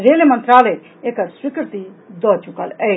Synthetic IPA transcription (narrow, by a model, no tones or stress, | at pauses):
ɾeːlemə̃nt̪ɾaːləj | ekəɾswikɾt̪id̪ɔːt͡ʃukəlɛ